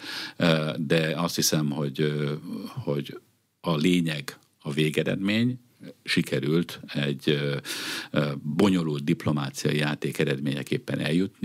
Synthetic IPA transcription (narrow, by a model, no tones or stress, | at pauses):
d̪ɛɒst̪hisɛmho̞ɟ | ho̞ɟ | ɒleːɲɛɡ | ɒveːɡɛɾɛ̰d̪meːɲ | ʃikɛɾylt̪ɛɟ | bo̞ɲo̞loːld̪̚d̪iplo̞maːt̪sijɒ̰ijaːt̪eːkɛɾɛd̪meːɲɛkeːpːɛnɛljut̪ni